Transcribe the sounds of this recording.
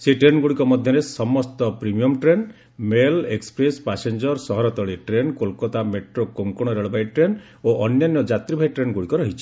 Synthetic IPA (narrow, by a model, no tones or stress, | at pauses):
seʈɾenɡuɽikɔmɔd̪ʱjɔɾesɔmɔst̪ɔpɾimiɔmʈɾen | melekspɾespasend͡ʒɔɾsɔɦɔɾɔt̪ɔɭiʈɾenkolkɔt̪ameʈɾokoŋkoɽ̃ɔɾeɭbajʈɾen | oʔɔnjanjɔd͡ʒat̪ɾibʱajʈɾenɡuɽikɔɾɔɦit͡ʃʰi̥